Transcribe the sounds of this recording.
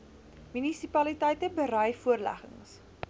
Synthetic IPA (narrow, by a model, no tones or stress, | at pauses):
mynisipɐlitɛjtəbəɾœjfuərlæ̰χə̰ŋs